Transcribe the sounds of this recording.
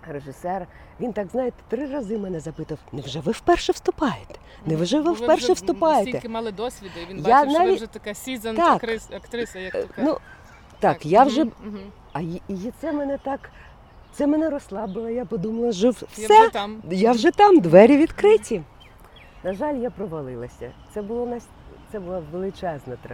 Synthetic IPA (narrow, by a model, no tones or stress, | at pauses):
reʒɪsɛr | ʋʲint̪ɑɡznɑjet̪ɛ̥t̪ɾɪrɐzɪmɛnɛzɐpɪt̪ɐwnɛwʒɛʋɪwpɛrʃɛwst̪ʊpɑjet̪ɛ̥ | nɛʋʒɛʋɪfpɛrʃɛwst̪ʊpɑjet̪ɛlˠɪd̪ɔsʲʋʲijanɑʋʲit̪ɐkizɐt̪ɑkɐkt̪ɾɪnu | t̪ɑkjawʒɛ | ɐiit̪sɛmɛnɛt̪ɑk | t̪sɛmɛnɛɾɔslˠɑbɪlˠɐjapɔd̪umɐlˠɐʒɔwssɛjawʒɛt̪ɑmd̪ʋɛɾʲiʋʲid̪kɾɪtʲi | nɐʒɑlʲjapɾɔʋɐlˠɪlˠɐsʲɐ̰t̪sɛbʊlˠɔnɐsʲ | t̪sɛbʊlˠaʋelˠɪt͡ʃɛznɐt̪ɾ